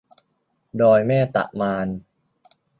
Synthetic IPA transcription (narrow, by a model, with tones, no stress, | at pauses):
dɔː˧jmɛː˥˩t̪a̰˨˩ʔmaː˧n